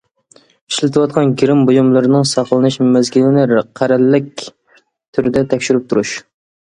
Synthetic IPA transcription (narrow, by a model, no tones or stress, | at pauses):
iʃlɪt̪ʰɨwɑt̪̚qʰɑnɡʲiɾɪmbojumlˠɨɾɨnɨŋsɑqlˠɨnɨʃmæzkʲʰilɪnɪɾqʰæɾɛlːɪk̚ʲ | t̪ʰyɾɪd̪ɛt̪ʰɛkʲʃyɾyp̚t̪ʰuɾuʃ